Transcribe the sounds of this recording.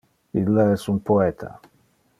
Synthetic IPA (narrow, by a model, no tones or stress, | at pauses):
ilːaɛsunpoɛt̪ʰa̰